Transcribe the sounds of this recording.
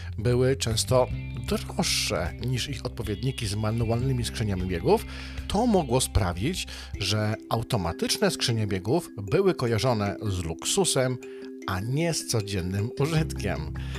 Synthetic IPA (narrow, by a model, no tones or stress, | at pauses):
bɘwɘt͡ʂɛ̃w̃st̪ɔd̪ɾɔʂːɛ̰ɲiʂixɔt̪̚pɔvʲjɛd̪ɲikʲizmanualnɘmʲiskʂɘɲamʲibʲjɛɡuf | t̪ʰɔmɔɡwɔspɾavʲid͡ʑ | ʐɛawt̪ɔma̰t̪ɘt͡ʂnɛskʂɘɲabʲjɛɡuvbɘwɘkɔjaʐɔnɛzluksusɛm | ʔaɲɛst̪sɔd͡ʑɛnːɘmuʐɘt̪kʲɛ̰m